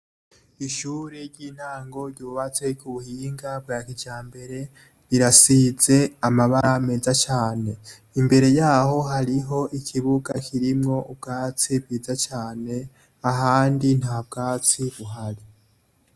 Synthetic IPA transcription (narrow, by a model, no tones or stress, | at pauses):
iʃuːɾeɾɟiːn̥haːŋɡo̞ɾjɟuːβat͡se̞kuβuhiːŋɡab̚ɡaːkiɟaːmbe̞ɾe̞ | ɾiɾasize̞amaβaɾameːzat͡ʃaːne̞ | imbe̞ɾe̞jaːho̞ɦaɾiɦo̞ʔikʰiβuɡakʰiɾimŋo̞ub̚ɡaːt͡sib̚ɡiːzat͡ʃaːne̞ | aɦaːndin̥hab̚ɡaːt͡siβuɦaɾi